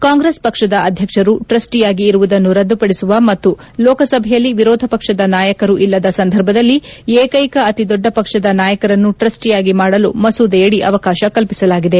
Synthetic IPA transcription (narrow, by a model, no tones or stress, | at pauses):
kaːŋɡɾespɐkʂɐd̪ɐɐd̪ʱjɐkʂɐɾuʈɾɐsʈijaːɡiːɾuʋud̪ɐnːuɾɐd̪ːupɐɽisuʋɐmɐt̪ːu | lɔːkɐsɐbʱɛjɐlːiʋiɾɔːd̪ʱɐpɐkʂɐd̪ɐnaːjɐkɐɾuʔilːɐd̪ɐsɐnd̪ʱɐɾbʱɐd̪ɐlːieːkɐjkɐːt̪id̪ɔɖːɐpɐkʂɐd̪ɐnaːjɐkɐɾɐnːuʈɾɐsʈijaːɡimaːɽɐlumɐsuːd̪ɛjɐɽiʔɐʋɐkaːʃɐkɐlpisɐlaːɡid̪e̞